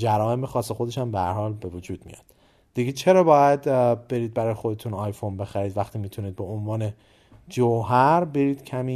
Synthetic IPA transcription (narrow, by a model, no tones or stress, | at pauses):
d͡ʒæɾɒːe̞mexɒːse̞xod̪e̞ʃæmbehæ̰ɾhɒːlbe̞vod͡ʒuːd̪̚mḭjɒ̰d̪̥ | d̪̥iɡet͡ʃʰe̞ɾɒːbɒːjæd̪be̞ɾiːd̪̚bæɾɒːjexo̞d̪e̞t̪ʰunɒːjfonbe̞xæɾiːd̪væxt̪ʰiːmiːt̪ʰuniːd̪̚beonvɒːne̞ | d͡ʒoɦæɾbe̞ɾiːd̪̥cʰæmiː